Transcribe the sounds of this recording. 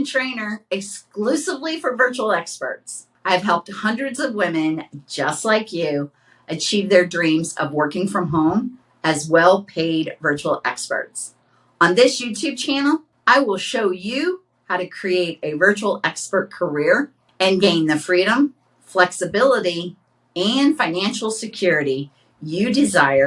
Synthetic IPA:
ntʰɹ̥ẽɪ̃nə˞ɨksklʉsəvlifə˞vɜ˞t͡ʃul̩ˠɛkspə̰˞ts | aɪɨv̥ɦɛlˠp̚t̚hʌ̃ndɹɨdzʌvwɪ̃mɨ̃nd͡ʒʌstˡlaɪkjʉ | ɨt͡ʃʰivðə˞dɹĩmzʌ̰vwɜ˞kɪ̃ŋfɹʌ̃mɦõʊ̃m | ɨzwɛlˠpʰeɪdvɜ˞t͡ʃul̩ˠɛ̰kspə̰˞ts | ə̃nðɪsjʉtʰʉb̚t͡ʃʰænl̩ˠ | aɪwɪlˠʃoʊjɨ | haʊɾɨkʰɹ̥ieɪɾɨvɜ˞t͡ʃul̩ˠɛkspə˞t̚kʰə˞ɪɹ | ɨ̃nɡẽɪ̃nðɨfɹiɾə̃ɱ | flɛksɨbɪlˠəɾi | ɨ̃nfãɪ̃næ̃nʃl̩ˠsɨkʰj̥ʊɹɨɾi | jɨdɨzaɪə˞

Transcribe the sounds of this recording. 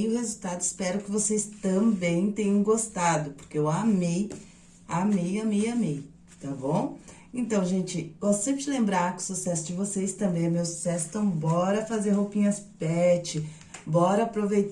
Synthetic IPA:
ɪʊhezuwt̪ad̪ʊɪspɛɾʊkɪvosejst̪ɐ̃bẽj̃t̪ẽjɲɐ̃w̃ɡost̪ad̪ʊpoɾkeewamej | amejamejamej | t̪abõw̃ | ẽnt̪ɐ̃w̃ʒẽnt͡ʃɪosẽpt͡ʃɪlẽmbɾaɾkɪʊ̥susɛsʊd͡ʒɪvosejst̪ɐ̃mbẽj̃ɛmewsu̥sɛsʊ̥t̪ɐ̃w̃bɔɾɐfazeɾɦowpĩɲɐspɛt͡ʃɪ | bɔɾɐapɾovejt̪

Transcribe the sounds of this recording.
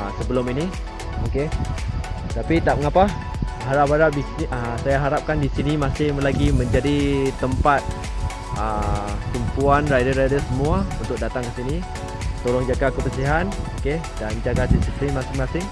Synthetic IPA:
səbəlʊmini | oke | t̪apit̪aʔəŋapa | ɦaɾapaɾaʔbisinʔəsajaɦaɾap̚kandisinimasɪhlaɡimə̃ɲd͡ʒadit̪əmpat̪̚ | ət̪umpuanrajdəɾajdəsəmũaunt̪ʊk̚dat̪aŋkəsini | t̪olɔŋd͡ʒaɡakəbəsiɦanoke | dand͡ʒaɡatisisinimasɪŋmasɪŋ

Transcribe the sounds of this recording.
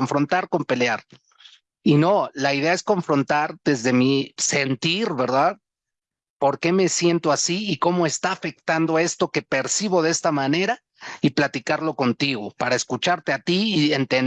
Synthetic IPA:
ɱfɾo̞nt̪aɾko̞mpe̞leaɾ | ino̞laiðe̞ae̞sko̞ɱfɾo̞nt̪aɾd̪ezðe̞mise̞nt̪iɾβe̞ɾðað | po̞ɾke̞me̞sje̞nt̪o̞asiːko̞moe̞st̪aːfe̞k̚t̪and̪oae̞st̪o̞ke̞pe̞ɾsiβ̞o̞ðe̞st̪amãne̞ɾa | iplat̪ikaɾlo̞ko̞nt̪iɣo̞paɾae̞skut͡ʃaɾt̪e̞at̪iːent̪en

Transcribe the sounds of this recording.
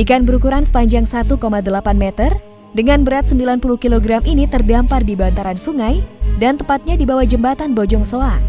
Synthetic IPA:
ikanbəɾukuɾansə̥paɲd͡ʒaŋsat̪ukomadəlapanmet̪ər | dəŋanbəɾat̪̚səmbilanpuluhkiloɡɾamʔinit̪ərdampardibant̪aɾansuŋajdant̪əmpat̪̚ɲadibawahd͡ʒəmbat̪anbod͡ʒɔŋsoa

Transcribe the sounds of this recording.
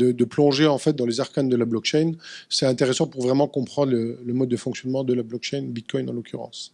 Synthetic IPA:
d̪əd̪əplɔ̃ʒeɑ̃fɛt̪̚d̪ɑ̃lezaʁkand̪əlablɔkʃɛjnsɛt̪ɛ̃t̪eʁesɑ̃puʁvʁɛmɑ̃kɔ̃pχɑ̃d̪ʁlələmɔd̪ːəfɔ̃ŋksjɔnmɑ̃d̪əlablɔk̚ʃɛjnbit̪̚kʰɔjnɑ̰̃lɔkʰʲyʁɑ̰̃s

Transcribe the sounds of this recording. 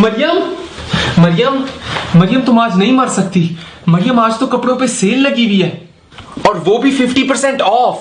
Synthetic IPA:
mɐɾɪjəm | mɐɾɪjəmmɐɾɪjəmt̪ʊmaːd͡ʒnɐɦĩmɐɾsɐk̚t̪iː | mɐɾɪjəmaːd͡ʒt̪okɐpɽõpeseːlːɐɡibʱiɦɛː | ɔːɾʋoːbʱifɪfʈipəɾsɛ̃ɳʈɔːf

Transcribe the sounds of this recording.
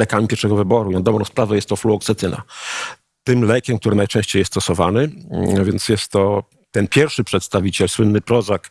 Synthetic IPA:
lɛkamʲipʲɛɾʂɛɡɔvɘbɔɾuinad̪ɔbɾɔ̃w̃spɾavɛjɛst̪ːɔfluɔksɛt̪ɘna̰ | t̪ɘmlɛkʲɛmk̚t̪uɾɘnajt͡ʂɛ̃ɕt͡ɕejɛst̪ɔsɔvanɘvʲjɛnt̪sjɛst̪ːɔ | t̪ɛnpʲjɛɾfʂɘpʂɛt̪st̪avʲit͡ɕɛlswɘnːɘpɾɔzak

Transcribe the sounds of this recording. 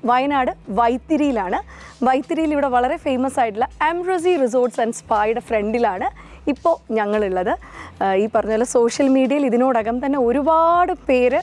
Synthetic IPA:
ʋɐjɐnaːɽɨʋɐjt̪ːiɾijilaːɳɨ | ʋɐjt̪ːiɾijiliʋiɽe̞ʋɐɭɐɾe̞fejmɐsaːjʈːuɭːɐemros̬iris̬oːrʈsɐnɖspaːjɽɨfreɳɖilaːɳɨ | ipːo̞ːɲɐŋːɐɭiɭːɐðɨ | iːpːɐrɐɲːðɐlːɐso̞ːʂjɐlmiːɽijɐjiliðino̞ːɽɐɣɐmt̪ɐnːe̞o̞ɾubaːɽɨpe̞ːɾɨ

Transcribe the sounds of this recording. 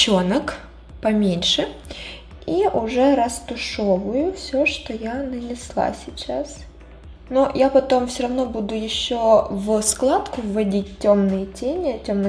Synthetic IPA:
t͡ɕonək | pɐmʲenʲʂɨ | iʔʊʐɛɾɐst̪ʊʂovʊjʊfsʲoʂt̪ojanənʲɪslˠa̰sʲɪt͡ɕas | nojapɐt̪o̞mfsʲoɾɐvno̞bud̪ʊjɪɕːovsklˠat̪kʊvːɐdʲitʲtʲːo̞mnɨjətʲenʲɪɐtʲomnɨ

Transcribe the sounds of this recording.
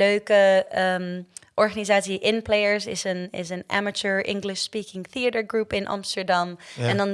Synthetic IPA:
øːkəəmʔɔɹχanizaːtsiʔɪnpleəɹsɪ̰sənɪ̰s̬ənʔæ̰mət͡ʃəɹʔɪ̰̃ŋɡlɪʃspikɪŋθiətəɹɡrupɪ̃nʔɑ̰mstəɹdɑmɛ̃ndɔn

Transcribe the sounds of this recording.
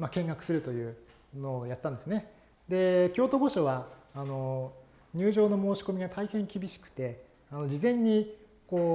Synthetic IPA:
makẽ̞ŋɡakɯ̟̥sɨɾɯ̟t̪o̞jɯ̟ː | no̞ːjat̪ːãnd̪esɨne̞ | d̪e̞kʲo̞ːt̪o̞ɡo̞ɕoβaːno̞ | ɲ̟ɨːʑo̞ːno̞moːɕi̥ko̞mʲiɡat̪ʰaihẽ̞ŋkʲibʲiɕi̥kɯ̟̥t̪e̞ | ano̞d͡ʑizẽ̞ɲ̟ːi | ko̞ː

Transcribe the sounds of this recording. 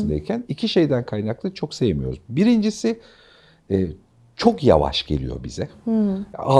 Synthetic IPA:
nd̪eicʰænicʰiʃe̞jd̪ænkʰajnaklˠɯt͡ʃʰo̞kse̞jemijo̞ɾuzbiɾind͡ʒisiː | t͡ʃʰo̞kja̰va̰ʃɟe̞̰lʲḭjo̞̰bizɛ | a

